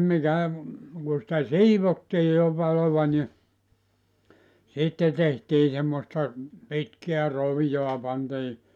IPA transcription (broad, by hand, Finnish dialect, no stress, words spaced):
mikæ ku sĭtæ siːʋotːiː jo pɑloʋɑ ni sitːe tehtiː semːostɑ pitkeæ roʋijoɑ pɑntiː